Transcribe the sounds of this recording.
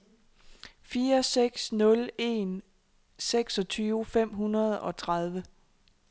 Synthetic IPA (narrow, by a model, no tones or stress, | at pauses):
fiːɐseɡ̥snɔ̽le̝̰n | seɡ̥sɒ̽t͡sʰyːʊfem̰ɦunɐð̞ˠɒ̽t͡sʰʁað̞ˠʋə